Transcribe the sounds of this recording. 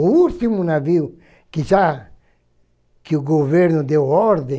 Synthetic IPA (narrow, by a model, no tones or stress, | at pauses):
ult̪imunaviw | kɪʒa | kɪuɡoveɾnʊd̪ewɔɾd̪ẽ